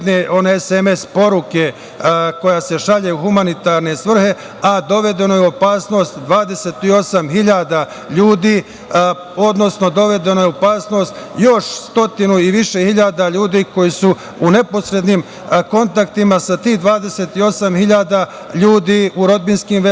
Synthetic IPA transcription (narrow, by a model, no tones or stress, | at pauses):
neʔo̞neeseme̞spo̞ɾuke̞ | ko̞jase̞ʃaʎeuxumanit̪aɾne̞sʋr̩he̞ | ad̪o̞ʋe̞d̪e̞no̞jeo̞paːsno̞ːst̪d̪ʋaːd̪e̞se̞ːt̪io̞samɦiʎad̪a | ʎuːd̪iː | o̞d̪no̞sno̞d̪o̞ʋe̞d̪e̞no̞jeopaːsno̞ːst̪jo̞ʃst̪o̞t̪inuiʋiʃe̞hiʎad̪aʎuːd̪iːko̞jisu | une̞po̞sɾe̞d̪nim | ko̞nt̪ak̚t̪imasat̪iːhd̪ʋaːd̪e̞set̪io̞samhiʎaːd̪a | ʎuːd̪iːuɾo̞d̪̚binskimʋe